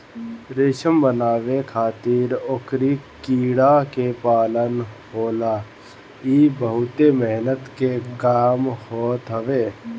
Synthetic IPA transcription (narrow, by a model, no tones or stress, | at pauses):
ɾeːʃəmbənaːʋekʰaːt̪ɪɾokɾikiːɽakepaːlənhoːlaː | iːbəɦʊt̪emɛɦnət̪kekaːmhoːt̪ɦəʋeː